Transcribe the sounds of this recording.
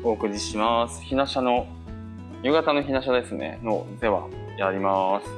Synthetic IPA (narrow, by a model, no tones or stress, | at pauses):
o̞ːkɯ̟ɾʲiɕimasɨ̥çinaɕano̞ | jɯ̟ɡat̪ano̞çinaɕad̪e̞sɨnʔe̞̰not̪e̞βa̰ | jaɾʲimasɨ̥